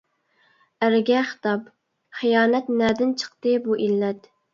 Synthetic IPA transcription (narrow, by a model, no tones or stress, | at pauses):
æɾɡʲɛχə̥t̪ɑp | χijɑːnɛt̪nɛːd̪ɪnt͡ʃʰə̥qt̪ɨbuʔilːɛt̪